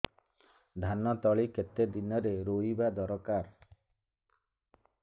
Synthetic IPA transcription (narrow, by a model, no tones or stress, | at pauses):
d̪ʱanɔt̪ɔɭiket̪ed̪inɔɾeɾoibad̪ɔɾɔkaɾ